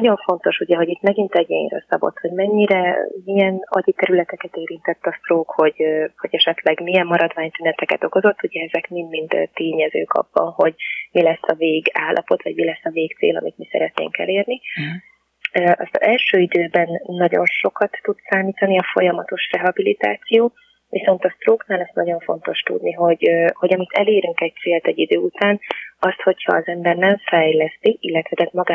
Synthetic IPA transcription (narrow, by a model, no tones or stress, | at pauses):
nɟo̞ɱfo̞nt̪o̞ʃuɟɛɦo̞ɟit̪mɛɡint̪ɛɟḛːjrø̰sɒbo̞̰t̪ho̞ɟmɛɲːiɾɛmiɛnɒ̰ɟit̪ɛɾylɛt̪ɛkɛt̪eːɾint̪ɛt̪ːɒfroːkho̞ɟho̞ɟɛʃɛt̪lɛɡmiɛmːɒɾɒd̪vaːɲt̪ynɛt̪ɛkɛt̪o̞ko̞zo̞t̪ːuɟɛɛzɛkmind̪mint̪ːt̪eːɲɛzø̰ːkʰɒ̰bːɒ̰nho̞ɟmilɛsːɒveːɡaːlːʔɒ̰po̞t̪ʋɒɟmilɛsːɒveːkt̪sḛːlɒ̰mit̪misɛ̰ɾɛt̪nḛːŋkɛ̰leːrni | ʔɒ̰st̪ɒɛlʃøːid̪øːbɛnːɒɟo̞nʃo̞kɒt̪ːut̪saːniːt̪ɒniɒfo̞jɒmɒt̪o̞ʃrɛɦɒbilit̪a̰ːt̪sijoː | viso̞nt̪ɒst̪roːknaːlɛst̪nɒɟo̞ɱfo̞̰nt̪o̞ʃt̪ṵd̪niɦo̞ɟho̞ɟɒmit̪ʰɛleːɾyŋkɛc̚t̪seːlt̪ɛɟːid̪øːut̪aːnɒst̪ho̞chɒːzɛmbɛrnɛɱfɛjlɛst̪iilːɛt̪vɛd̪ɛt̪mɒɡaː